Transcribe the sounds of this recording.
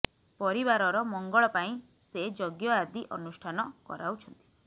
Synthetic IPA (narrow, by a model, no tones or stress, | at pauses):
pɔɾibaɾɔɾɔmɔŋɡɔɭɔpaĩ | sed͡ʒoɡjɔad̪iʔɔnusʈʰanɔkɔ̰ɾawt͡ʃʰɔnt̪i̥